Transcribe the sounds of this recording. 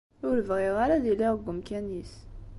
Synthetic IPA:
ʊɾəvʁɪʁaɾaðilːiʁəɡʷːəmkænis

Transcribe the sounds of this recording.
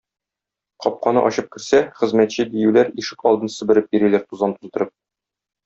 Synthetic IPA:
qɒp̚qɑnɤ̰ʔɒɕɤp̚kɘ̆ɾsæχɘ̆zmæt̪ɕɘd̪ijʉlæɾiʃɘkɒlˠd̪ɤnsɘ̆bɘ̆ɾɘp̚biɾilæɾt̪uzɑnt̪ult̪ɤ̆ɾɤp̚

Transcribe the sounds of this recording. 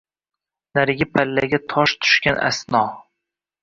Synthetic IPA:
naɾɪɡʲapʰalːaɡʲat̪ʰɒʃt̪ʰʊ̥ʃkʲanʔa̰snɒ

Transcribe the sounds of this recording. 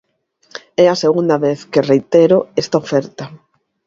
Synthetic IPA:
ɛɐseɣund̪ɐβeθkerejt̪eɾoɛst̪aofɛɾt̪a

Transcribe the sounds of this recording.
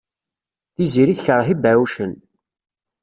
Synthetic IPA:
θiziɾiθçəɾˤhibæwʃən

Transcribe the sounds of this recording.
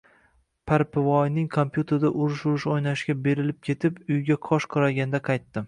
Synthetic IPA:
pʰaɾpʰɪvɒjnɪŋkʰompjut̪ʰe̞ɾd̪aʔʊɾʊʃʊɾʊʃojnaʃɡʲabe̞ɾɪlɪp̚kʲʰe̞t̪ʰɪpʊjɡʲaqʰɒʃqʰʊɾaɡʲanɪd̪aqʰɑjt̪ːɪ

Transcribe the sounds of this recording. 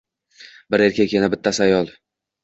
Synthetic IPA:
bɪɾe̞ɾkʲakʲenɪbɪt̪ʰːasajɒlˠ

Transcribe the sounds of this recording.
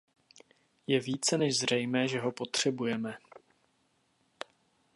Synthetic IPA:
jɛviːt͡sɛnɛʒzr̝ɛjmɛːʒɛɦo̞po̞t̪r̝̥ɛbujɛmɛ

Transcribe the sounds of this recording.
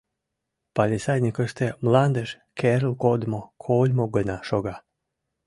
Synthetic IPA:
palʲisajnʲikəʃt̪emlˠand̪eʃ | kʰeɾlˠkod̪mokʰolʲmoɡənaʃoɡa

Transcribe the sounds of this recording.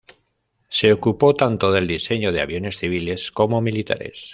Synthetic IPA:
se̞okupo̞t̪ant̪o̞ðe̞ld̪ise̞ɲo̞ð̞e̞a̰β̞jo̞ne̞sθiβ̞ile̞sko̞mo̞milit̪a̰ɾe̞̰s

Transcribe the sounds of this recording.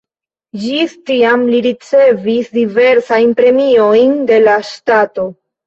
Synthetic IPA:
d͡ʒistiamliɾit͡se̞visdive̞ɾsajnpɾe̞mio̞jnde̞laʃtato̞

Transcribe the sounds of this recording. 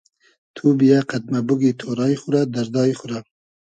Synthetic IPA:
t̪ʰubijaqad̪̚mabuɡit̪ʰoɾɑjχuɾad̪aɾd̪ɑːiχuɾa

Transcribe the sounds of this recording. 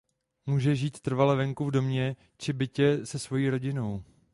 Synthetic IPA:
muːʒɛʒiːt̪ːr̩valɛvɛŋkuvdo̞mɲɛ | t͡ʃɪbɪcɛsɛsvo̞jiːɾo̞ɟɪno̞w

